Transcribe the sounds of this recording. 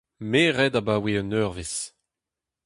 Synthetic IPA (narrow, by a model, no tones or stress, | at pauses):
meːʁɛdabaweɔnøʁves